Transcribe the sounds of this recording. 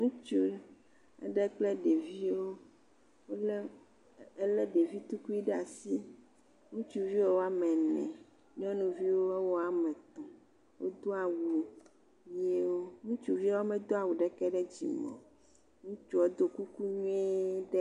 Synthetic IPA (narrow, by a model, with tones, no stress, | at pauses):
ŋũ˦t͡ʃu˦ | ɛ̰˦ɖɛ˦k͡plɛ˦ɖe˨vi˦wo˦ | wo˦lɛ˦ | e˦lɛ˦ɖe˨vi˦t̪u˦ku˦i˦ɖɛ˦a˨si˦ | ŋũ˦t͡ʃu˦vi˦wo˦wo˦a˨mɛ̃˨nɛ̰̃˨ | ɲɔ̃˦nũ˨vi˦wo˦ɛ˦wɔ˦a˨mɛ̃˨t̪ɔ̃˨ | wʔo̰˦d̪o˦a˨wu˨ | je˦wo˦ŋũ˦t͡ʃu˨vi˦wo˦mɛ̃˦d̪o˦a˨wu˨ɖɛ˦kɛ˦ɖɛ˦d͡ʑḭ˨mɔ̰̃˨ | ŋũ˦t͡ʃu˦o˦d̪o˦ku˦ku˦ɲu˦ɛ˦ɖɛ˦